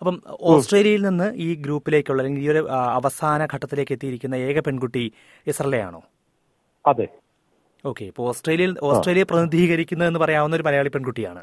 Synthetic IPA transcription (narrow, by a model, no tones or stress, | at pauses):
ɐpːɐmo̞ːsʈre̞ːlijɐjilninːɨʔiːɡɾuːpːile̞ːkʲːuɭːɐðlːeŋɡiio̞ɾuɐʋɐsaːnɐɡʱɐʈːɐt̪ːileːkːe̞t̪ːijiɾikʲːunːɐe̞ːɡɐpe̞ɳɡuʈːi | esɐrɐlːeja̰ːɳo̞̰ː | ɐðe | o̞ːkːe̞ipːooːsʈreːlijɐjilo̞ːsre̞ːlijɐprɐnid̪iːɣɐɾikʲːunːɐðenːɨpɐrɐjaːʋunːo̞ɾumɐlɐjaːɭipe̞ɳɡuʈːija̰ːɳɨ̰